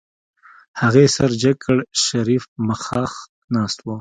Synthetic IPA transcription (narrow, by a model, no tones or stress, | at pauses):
haɣesaɾd͡ʒakʰəɽʃaɾifmaxɑːx | nɑːst̪wo